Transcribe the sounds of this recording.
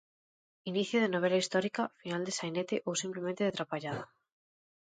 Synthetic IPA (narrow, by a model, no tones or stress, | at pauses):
iniθjoðenoβ̞elaist̪ɔɾikafinald̪esajnet̪eʔowsimplemẽnt̪eet̪ɾapaʎaða